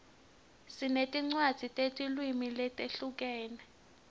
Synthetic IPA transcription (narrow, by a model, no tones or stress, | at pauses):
sinetʼiŋ͡ǀwad̥z̥ʱitʼetʼilwimilɛtʼeɬuk̬ɛːnɛ